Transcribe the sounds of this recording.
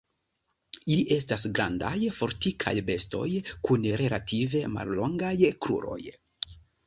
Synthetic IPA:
iliʔe̞stasɡɾandajfo̞ɾtikʰa̰jbe̞sto̞̰jkunɾe̞latʰive̞ma̰llo̞ŋɡajklṵɾo̞̰j

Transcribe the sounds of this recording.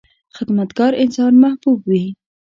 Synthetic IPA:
xɪd̪mat̪ɡɑɾɪnsɑnmahbubwi

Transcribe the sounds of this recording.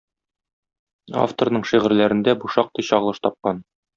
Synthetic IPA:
a̰ft̪oɾnɤɴʃiʁɘ̆ɾlæɾɘ̆nd̪æbuʃɑq̚t̪ɤjɕɒʁlˠɤ̆ʃt̪ɒp̚qɑn

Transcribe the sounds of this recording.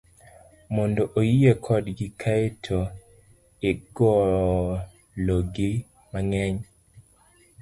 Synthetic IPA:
mondoʔojiekʰɔdɡikʰaetʰo | eɡɔ | loɡi | maŋɛɲ

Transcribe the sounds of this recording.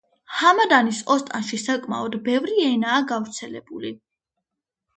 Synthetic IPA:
hamad̪anisɔst̪ʼanʃisakʼma̰ɔd̪bɛvɾiɛnaːɡavɾt̪sʰɛlɛ̰b̥uli

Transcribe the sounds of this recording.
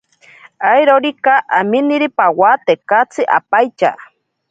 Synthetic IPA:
ajɾoɾikaʔaminiɾipawat̪ekat͡sʰɨʔa̰pajt͡ʃa̰

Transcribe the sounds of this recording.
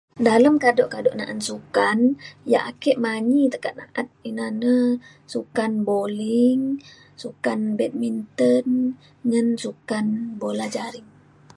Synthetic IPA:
daləmkadɔʔkadoʔnaʔansukanja̰ʔakɛʔmaɲit̪əkat̪̚na̰ʔat̪̚inanə | sukanboliŋ | sukanbɛt̪̚mint̪ən | ŋansukanbolad͡ʒaɾiŋ

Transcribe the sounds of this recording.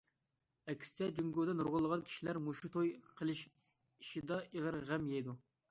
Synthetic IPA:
ɛkʲʰi̥st͡ʃʰɛd͡ʒyŋɡod̪ɛnuɾʁʊlˠːəʁɑnkʲʰi̥ʃilæɾmuʃut̪ʰojqʰəlˠɪʃ | iʃid̪ɑʔəʁəɾʁæmjɛjd̪u

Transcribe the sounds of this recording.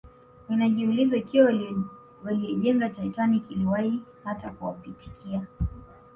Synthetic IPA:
ninaʄiulizaikiwa | waliɔʄɛŋɡataɛtanikiliwahihatakuwapiti̥kʰia

